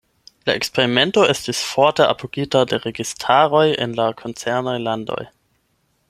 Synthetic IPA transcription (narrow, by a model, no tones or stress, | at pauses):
laʔekspeʁimentoʔestisfɔɐteʔa̰pʰoɡitadeʁeɡistʰaʁojḛnlakʰont͡sɛɐnajlando̞̰j